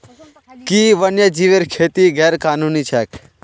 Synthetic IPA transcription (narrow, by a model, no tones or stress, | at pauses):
kiːʋənjəd͡ʒiʋeɾkʰeːt̪iɡɛːɾkaːnuːnit͡ʃʰɛːk